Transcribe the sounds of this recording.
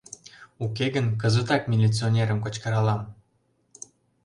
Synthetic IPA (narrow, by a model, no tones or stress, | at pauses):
ukeɣənkəzət̪ɑk̚mʲilʲit͡sionʲeɾəmkot͡ɕkəɾɑlɑm